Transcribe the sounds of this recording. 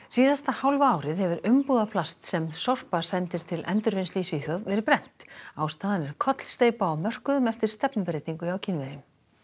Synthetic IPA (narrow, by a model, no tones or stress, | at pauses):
siːðast̪ahawlvaaːwɾɪðhɛvʏɾʏmpuːðapʰlast̪sɛmsɔr̥pasɛnt̪ɪɾ̥t̪ʰɪlɛ̰nt̪ʏɾvejnsliːsviːθœðvɛɾɪɾpɾɛn̥t̪aːwst̪aːðanɛɾ̥kʰɔt̪l̥st̪eːjpaːwmœr̥kʏðʏmɛft̪ɪɾ̥st̪ɛpnʏpɪɾejt̪niŋkʏjaːwcʰɪnvɛɾɪm